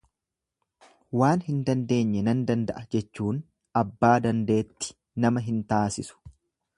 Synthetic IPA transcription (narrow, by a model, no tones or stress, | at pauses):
waːnhɪnd̪ɐnd̪e̞ːɲːɛnɐnd̪ɐnd̪ɐ̰ʔɐd͡ʒɛt͡ʃːuːn | ɐbːaːd̪ɐnd̪e̞ːt̪ːɪ̥ | nɐmɐɦɪnt̪aːsɪsʊ̥